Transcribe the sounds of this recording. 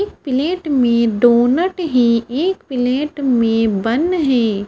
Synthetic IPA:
k̚pɪleːʈmẽɖoːnəʈɦĩeːkpɪleːʈmẽbɐ̃nɦɛ̃ː

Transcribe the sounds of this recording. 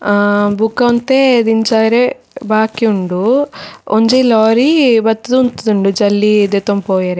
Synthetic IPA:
bukːɐɐnt̪ed̪iɲt͡ʃaːjɐɾe | baːkiuɳɖu | oɲd͡ʒelɔːɾibɐt̪ːɐd̪uːnt̪ɐd̪uɳɖud͡ʒɐlːid̪et̪ompoːjɐɾe

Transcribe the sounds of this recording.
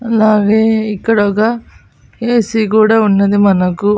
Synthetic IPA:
ɐlaːɡeːikːɐɽɐka | eːsikuːɽaːunːɐd̪imɐnɐku

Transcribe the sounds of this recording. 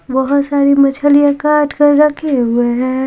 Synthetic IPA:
bəɦʊt̪saːɾimət͡ʃʰəlijãkaːɾʈʰkəɾɾəkʰeɦueɦɛ̃

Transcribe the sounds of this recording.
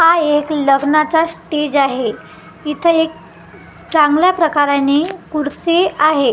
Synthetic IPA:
haekləɡnat͡sasʈed͡ʑaɦe | it̪ʰəek̚ | t͡saŋɡljapɾəkaɾjanikuɾt͡seaɦe

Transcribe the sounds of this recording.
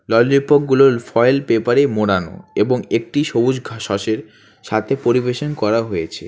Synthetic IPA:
lɔld͡ʑipok̚ɡuloɾfɔjlpepaɾemoɽano̰eboŋek̚ʈiʃobud͡ʑɡʱaʃɔʃeɾ | ʃat̪ʰepoɾibeʃonkɔɾaɦojet͡ɕʰḛ

